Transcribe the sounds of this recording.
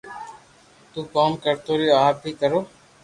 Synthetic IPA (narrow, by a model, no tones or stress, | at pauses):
t̪ũːkaːmkəɾt̪oːɾijoːaːpiːkəɾoː